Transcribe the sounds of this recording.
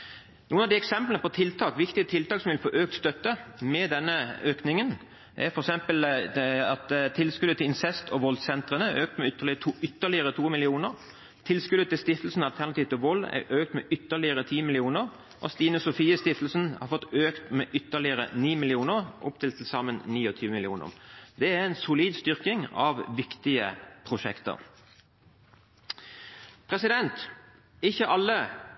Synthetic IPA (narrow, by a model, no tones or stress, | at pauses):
nuːənɑʋd̪ɪɛksɛmplnəpɔt̪ʰɪlt̪ʰɑːkʋɪkt̪ɪət̪ʰɪlt̪ɑːksɔmʋɪlfoːʔøːk̚t̪st̪œt̪ːəmɛd̪ɛnːəøːknɪŋən | ʔæ̰ɾfɔɾɛksɛmpəlɑt̪t̪ʰːɪlskʉd̪ət̪ʰɪlɪnsɛst̪ɔʋɔlsɛnt̪ʁənəøːk̚t̪mɛʏəlʰʏt̪ːəʁlɪəɾət̪ʰuːmɪlɪuːnəʁ | t̪ʰɪlskʉd̪ət̪ɪlst̪ɪft̪əl̩sn̩ɑlt̪ʰæʁnɑt̪iːʋt̪ɪʋɔlːɛ̰ʔøːk̚t̪mɛ̰ʔʏt̪ːəʁlɪəɾət̪ʰiːmɪlɪuːnəʁ | ʔo̰st̪iːnʊsʊfiːəst̪ɪft̪l̩sn̩hɑ̰ʁfɔt̪ːøːkt̪meːʔʏt̪ːəʁlɪəʁə̰niːmɪlɪuːnəʁʔʊ̰pt̪ʰɪlt̪ʰlsɑmənniːɔt̪ʰyːʋəmɪlɪuːnə̰ʁd̪ɛæʁɛnsʊliːd̪st̪ʏʁkɪŋɑʋʋɪkt̪ɪə̰pʰʁʊʃɛ̰kt̪ə̰ʁ | pʰʁɛsɪd̪ɛnt̪ | ɪçːəʔɑlːə